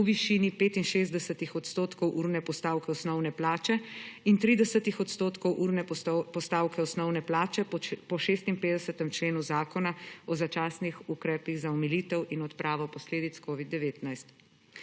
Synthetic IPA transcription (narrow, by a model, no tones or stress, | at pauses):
uʋiʃiːnipeːt̪inʃeːzd̪ɛsət̪ixɔt̪st̪oːt̪kɔwʔuɾnɛpɔst̪aːwkɛɔsnɔwnɛplaːt͡ʃɛint̪ɾiːd̪ɛsət̪ixɔt̪st̪oːt̪kɔwʔuɾnɛpɔst̪aːwkɛɔsnɔwnɛplaːt͡ʃɛpɔʃeːst̪inpeːd̪ɛsət̪ɛmt͡ʃleːnuzaːkɔnaɔzat͡ʃaːsnixukɾɛːpiɣzaɔmiliːt̪ɛwʔinɔt̪pɾʔaːʋɔpɔsleːd̪it̪skoːʋid̪̚d̪ːɛʋeːt̪najst̪